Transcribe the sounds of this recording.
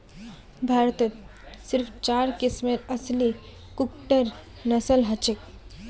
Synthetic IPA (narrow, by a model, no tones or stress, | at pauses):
bʱaːɾt̪ət̪sɪɾpʰt͡ʃaːɾkɪsmeɾɐsli | kʊkʈəɾ | nɐsəlɦɐt͡ʃɪk̚